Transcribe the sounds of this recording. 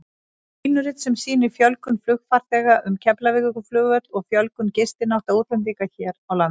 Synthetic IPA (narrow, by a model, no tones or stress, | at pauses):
iːnʏɾɪt̪sɛmsiːnɪɾfjœlkʏnflʏxfaɾ̥t̪ɛːɣaʔʏmcʰɛplavɪɣʏkʏflœːɣvœt̪ɔɣfjœlkʏncɪst̪ɪnaht̪auːt̪lɛmviːkaçɛːɾawlanː